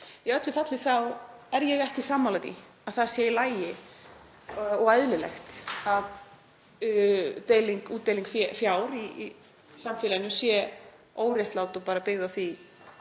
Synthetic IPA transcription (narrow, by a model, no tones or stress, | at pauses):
jɛœt̪lɪfat̪lɪθawɛɾjɛɣɛhcɪsaːmːalat̪ḭ | aðθaðsjɛilaːjɪ | ɔɣajðlɪlɛ̰xt̪að | t̪eːjliŋkuːt̪ːejliŋkfɛfjawɾi | samfɪːlajnʏsjɛ | oːwɾjaht̪laːwt̪ɔpaːɾapɪɣðawθi